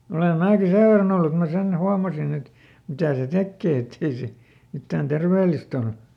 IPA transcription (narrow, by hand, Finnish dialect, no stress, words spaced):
ole mæːki seʋ ʋerːɑn olːu et mæ sen huɑmɑsin et mitæˑ se tekːeˑ etːei se mitːæːn terʋeːlist ol